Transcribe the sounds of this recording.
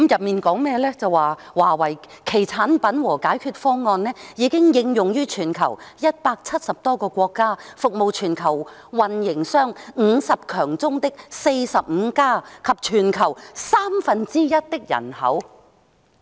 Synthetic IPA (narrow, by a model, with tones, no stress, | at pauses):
mjɐ˨p̚miː˨nkɔː˨˥ŋmɛː˥lɛː˥t͡sɐ˨waː˨ | waː˨˩wɐ˨˩j | kʰe˨˩jt͡sʰaː˨˥npɐ˨˥nwɔː˨˩kaː˨˥jkʰyː˧t̚fɔː˥ŋɔː˧nlɛː˥jiː˨˧kɪ˥ŋjɪ˧ŋjʊ˨ŋjyː˥t͡ʃʰyː˨˩nkʰɐ̰˨˩wjɐ˥t̚paː˧k̚t͡sʰɐ˥t̚sɐ˨p̚t̪ɔː˥kɔː˧kʷɔː˧kːaː˥fʊ˨k̚mo˨wt͡ʃʰyː˨˩nkʰɐ˨˩w | wɐ˨njɪ˨˩ŋsœː˥ŋŋ̩ː˨˧sɐ˨p̚kʰœː˨˩ŋt͡sʊ˥ŋt̪ɪ˥k̚se˧jsɐ˨p̚m̩˨˧kaː˥kʰɐ˨p̚t͡ʃʰyː˨˩nkʰɐ˨˩wsaː˥mfɐ˨nt͡siː˥jɐ˥t̚t̪ɪ˥k̚jɐ̰˨˩nhɐ̰˨˥w